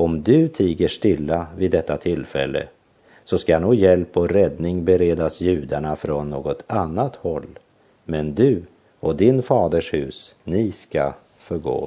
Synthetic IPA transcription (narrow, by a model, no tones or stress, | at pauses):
ɔmd̪ɵt̪ʰiːɡəʂʈɪlːavɪd̪ːɛt̪ːat̪ʰɪlfɛ̰lːə̰ | sɔskajanuːɡjɛlpɔɾɛd̪nɪŋbɛɾeːd̪asjʉ̟ːd̪aɳafɾɔnːoːɡɔt̪ʰanːat̪hɔlː | mɛnd̪ɵ | ɔd̪ɪnfɑːd̪əʂhʉ̟ːsnɪska̰ | fœɾɡo̰ː